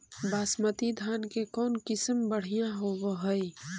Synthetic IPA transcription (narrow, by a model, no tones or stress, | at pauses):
baːsmət̪id̪ʱaːnkekɔːnkɪsəmbəɽ̤ijãɦoboɦəi